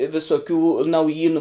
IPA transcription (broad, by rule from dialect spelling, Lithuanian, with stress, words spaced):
ʋʲɪsoːˈkʲuː nɐʊˈjiːnʊ